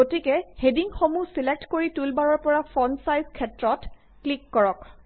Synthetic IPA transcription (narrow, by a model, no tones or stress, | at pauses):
otikɛhediŋxomusilek̚tkoɹitulbaɹɔɹpɔɹafʰɔnsajzkʰɛtɹɔt | klikːɔɹɔk